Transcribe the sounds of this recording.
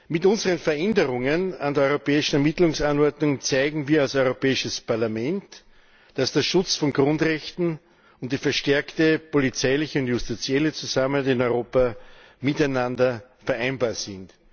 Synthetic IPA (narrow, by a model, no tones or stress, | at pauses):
mɪtʊnzəʁənfɛɐʔɛndəʁʊŋənandeɐɔʏʁopɛːɪʃn̩ɛɐmitlʊŋsanɔɐdnʊŋt͡sæɪɡŋ̩viːɐalsɔʏʁopɛːɪʃəspʰaɐlamɛnt | d̥asd̥eːɐʃʊt͡sfɔnɡ̥ʁʊndʁɛçtn̩ | ʊnt̚d̥iːfɛɐʃtɛɐktəpolit͡sæɪlɪçəʊntjʊstit͡sjɛlət͡suzamənhatɪnɔʏʁoːpa | mɪtæɪnãndɐfɛɐʔæɪnbaːɐsɪnt